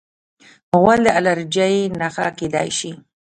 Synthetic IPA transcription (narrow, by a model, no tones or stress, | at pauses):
pəwald̪əalaɾd͡ʒajenaxaked̪ɑ̰jʃi